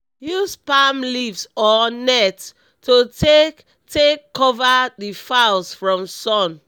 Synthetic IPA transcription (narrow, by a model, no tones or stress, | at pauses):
juspamlivsɔnɛtʰ | ote | tʰekʰːɔvaðifalsfɹɔ̃msɔ̃n